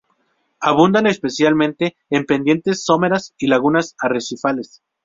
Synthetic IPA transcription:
aβ̞und̪anespe̞sjalmẽ̞nt̪e̞ːmpe̞nd̪je̞nt̪e̞sːo̞me̞ɾasilaɣunasaresifale̞s

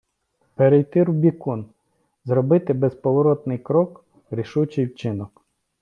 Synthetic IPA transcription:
peɾejt̪ɪɾubʲikɔn | zɾɔbɪt̪ɪbespɔʋɔɾɔt̪nɪjkɾɔk | ɾʲiʃut͡ʃɪjwt͡ʃɪnɔk

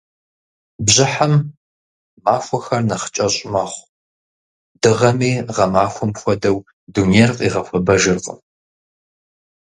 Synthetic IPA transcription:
bʑɪħam | maːfʷɔxɐrnɐχə̥t͡ʃʼɐɕʼmɐχʷ | dɨʁɐmiːʁɐmaːxʷɔmxʷɔdɐw | dunejrqʼiːʁɐfʷɐbɐʒɨrqʼə̰

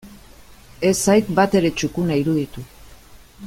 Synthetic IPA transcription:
e̞sajt̪bat̪e̞ɾe̞t͡ʃukunaiɾuðit̪u

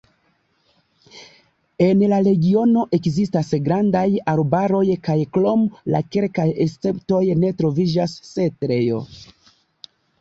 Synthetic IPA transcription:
e̞nlaɾe̞ɡio̞no̞ʔe̞kzistasɡɾandajaɾbaɾo̞jkajklomla̰ke̞lkajest͡se̞pto̞jne̞tɾo̞vid͡ʒasːetɾe̞jo̰

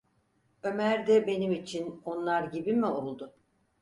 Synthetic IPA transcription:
ø̞mæɾd̪ɛbe̞nimit͡ʃʰino̞nlˠaɾɟibimio̞lˠd̪ʊ

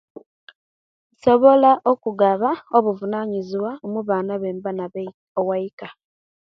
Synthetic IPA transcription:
soβolaʔokuɡaβaoβuvunaɲiziwaomuβaːnaβeːmbana | owaika

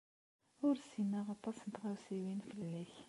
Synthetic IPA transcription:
ʊɾsinaʁɑt̪ˤːɑsnət̪ʁæwsiwinfəllːiç

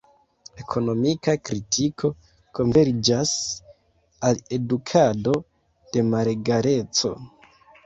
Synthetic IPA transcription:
e̞kʰo̞no̞mikakɾitʰikʰo̞ | ko̞nve̞ɾd͡ʒas | ale̞dukʰado̞ | d̥e̞maɾeɡaɾe̞t͡so̞̰

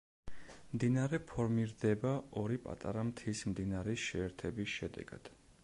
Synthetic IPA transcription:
md̪inaɾɛpʰɔɾmiɾd̪ɛbaɔɾipʼa̰t̪ʼa̰ɾamt̪ʰismd̪inaɾisʃɛːɾt̪ʰɛbisʃɛd̪ɛ̰ɡ̥a̰d̪̥

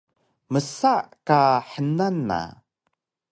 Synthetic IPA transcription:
məsaʔkaħənanːa̰

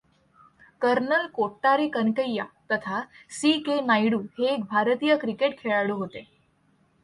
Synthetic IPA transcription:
kəɾnəlkoʈːaɾekənkəjːat̪ət̪ʰasikenajɽuːɦeːk̚bʱaɾt̪ijəkɾikeʈkʰeɭaɽuɦot̪e

